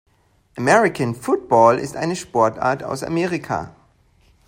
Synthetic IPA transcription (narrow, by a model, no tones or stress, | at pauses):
ʔamɛʁɪkʰanfʊt̚b̥ɔːlɪ̰stʔa̰ɪnəʃpɔɐta̰ːɐtʰa̰ʊsa̰meːʁɪkʰa̰ː